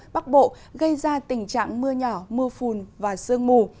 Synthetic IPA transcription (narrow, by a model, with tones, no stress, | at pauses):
ɓa˦˥k̚ɓo̰˧˨ | ɣə˧jzaː˧t̪ï˨˩ŋ̟t͡ɕa̰ː˧˨ŋmɨ˧əɲɔ˧˩mɨ˧əfu˧˩nvaː˨˩sɨ˧əŋmu˧˩